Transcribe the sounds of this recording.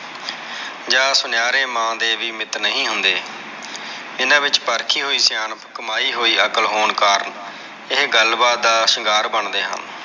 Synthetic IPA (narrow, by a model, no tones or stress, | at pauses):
d͡ʒaːsʊnɪjaːɾeːmãːd̪eːʋiːmɪt̪nəɦĩːɦʊnd̪eː | ɪnãːʋɪt͡ʃpəɾkʰiːɦoːiːsjaːnpkəmaːiːɦoːiːəkəlɦoːɳkaːɾən | ɪɦɡəlbaːd̪d̪aːsɪŋɡaːɾbəɳd̪eːɦə̰n